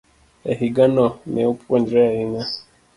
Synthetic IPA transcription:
ɛɦiɡanɔnɛupʰuandɾɛaina

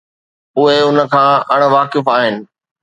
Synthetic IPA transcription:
ʊɦeʊnə̆kʰãːɐɽ̃ʋaːkɪfaːɦɪnɪ̆

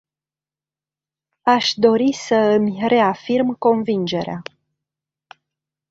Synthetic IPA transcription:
aʃd̪o̞ɾisəɨmʲre̞afirmko̞nvind͡ʒe̞ɾea

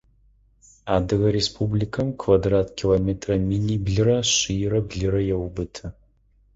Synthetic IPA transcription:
aːdɨɣɐɾespʰublikʰɐmkʰvadratʰkʲʰilometʰrɐminibɮɨɾɐɕijɾɐbɮɨɾɐjɛwbɨtʰɐ

